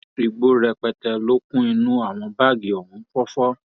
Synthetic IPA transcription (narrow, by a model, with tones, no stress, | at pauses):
ɾi˧ɡ͡bo˦ɾɛ˧k͡pɛ˧tɛ˧lo˦kũ˦i˧nũ˦a˦˨w̃ɔ̃˧ba˦˨ɡi˨ɔ˨hũ˨˦fɔ˦fɔ˦